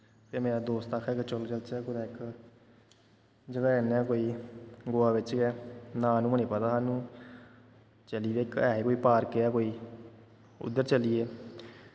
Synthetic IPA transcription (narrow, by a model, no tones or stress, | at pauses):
pʰeːmeːɾaːd̪oːst̪əkʰɛːket͡ʃʊlt͡ʃəlt͡ʃɛːkʊd̪aːɪk | d͡ʒəɡaːnɛ̃ːkoːiːɡoːaːʋɪt͡ʃkɛːnãːnũːməɳ̃iːpət̪aːɦaːnũː | t͡ʃəliːʋekɛːɦekoːiːpaːɾkeɛːkoːiː | ʊ̰d̪ːəɾt͡ʃəlieː